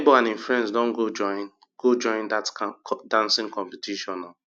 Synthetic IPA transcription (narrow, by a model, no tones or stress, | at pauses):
boãnĩɱfɛ̃nsdɔ̃nɡod͡ʒɔn | ɡ̥od͡ʒɔ̃ɪ̃ndadãnsɪ̃ŋkɔ̃mpetʰiʃɔ̃nɔ